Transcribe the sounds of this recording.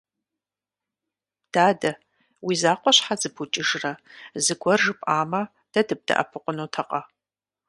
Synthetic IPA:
d̥aːdɐ | wizaːqʷʼɔɕħazɨbʰut͡ʃʼɪʒrɐzɨɡʷɔrʒɨpʼaːmɐ | d̥ɐdɨb̚d̥ɐ̰ʔɐ̰pʰɨqʷʼʊnoːtʰɐqʼɐ

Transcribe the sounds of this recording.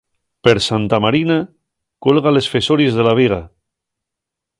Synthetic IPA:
peɾsant̪amaɾina | kolɣalesfesoɾiezðelaβ̞iɣ̞a

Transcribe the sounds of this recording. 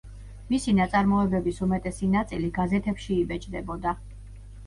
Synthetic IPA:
misinat̪sʼaɾmɔɛbɛbisumɛt̪ʼɛsinat̪sʼiliɡazɛt̪ʰɛpʃiːbɛt͡ʃʼd̪ɛbɔd̪a

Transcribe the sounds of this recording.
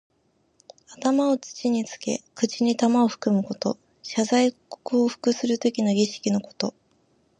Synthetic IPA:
at̪amao̞t͡sɨ̥t͡ɕiɲ̟it͡sɨ̥ke̞̰kɯ̟t͡ɕiɲ̟it̪amao̞ɸɯ̟̥kɯ̟mɯ̟ko̞t̪o̞̰ | ɕazaiko̥kɯooɸɯ̟̥kɯ̟sɨɾɯ̟t̪o̞kʲinoɡʲiɕi̥kʲino̞ko̞̥t̪o̞̰

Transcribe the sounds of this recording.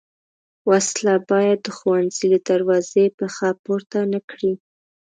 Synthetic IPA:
waslabɑjad̪̚ːəxuwanz̥iləd̪aɾwɑzepəxɑpoɾt̪anəkɽi

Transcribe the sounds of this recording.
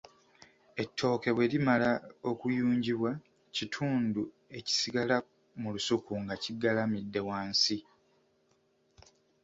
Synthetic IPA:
e̞tːo̞ːke̞βwe̞limalao̞kujuːɲɟiβwa | citʰuːndu | e̞ci̥siɡala | mulusukuŋɡaciɡalamidːe̞waːnsi

